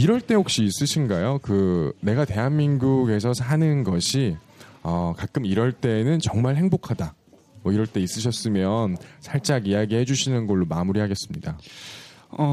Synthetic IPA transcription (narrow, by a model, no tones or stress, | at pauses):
iɾʌɭt͈e̞hok̚ɕ͈iːs͈ɯɕʰinɡajokɯne̞ɡate̞ɦanminɡuɡe̞sʰʌsʰanɯnɡʌɕʰi | ʌkak͈̚ɯmiɾʌɭt͈e̞nɯnt͡ɕʌŋmaɭɦe̞ŋbokʰada | mʌiɾʌɭt͈e̞is͈ɯɕ̬ʰʌs͈ɯmjʌnsʰaɭt͡ɕ͈aɡijaɡihe̞d͡ʑuɕʰinɯnɡʌɭːomamuɾiɦaɡe̞s͈ɯmɲida | ʌ